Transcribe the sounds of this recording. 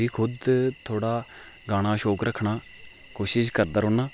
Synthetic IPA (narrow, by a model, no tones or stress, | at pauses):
iːkʰʊd̪t̪ʰoːɽaː | ɡaːɽ̃aːʃoːkɾəkʰːɳaː | koːʃɪʃkəɾd̪aːɾoːnaː